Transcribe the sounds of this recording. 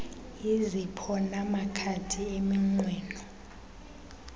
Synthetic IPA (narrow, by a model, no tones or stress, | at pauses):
izipʰɔnamakʰatʰiemiŋ͡ǀwɛːnɔ